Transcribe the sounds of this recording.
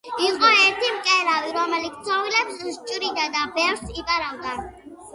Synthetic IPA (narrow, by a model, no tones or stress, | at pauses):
iqʼɔɛɾt̪ʰimkʼɛlaviɾɔmɛlit̪t̪sʰɔvilɛpsuʃt͡ʃʼɾid̪ad̪abɛfɾsipʼaɾavd̪a